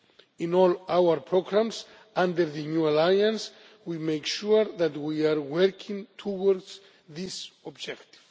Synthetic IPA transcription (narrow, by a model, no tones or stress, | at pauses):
ĩnɔlawəɾpʰɹoɡɹãms | ãndəɾðɨnjualajãns | wimejkʃuɾðætwiaɹwɛɾkʰĩŋtʰuwɔɹds | ðisɔbd͡ʒɛkt̪i̥v̥